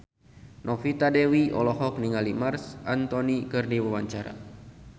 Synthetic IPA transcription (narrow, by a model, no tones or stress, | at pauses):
nʔɔfit̪adɛwiɔ̰lɔɦɔk̚niŋalimarsant̪ɔnikɨrdiwawaɲt͡ʃaɾa̰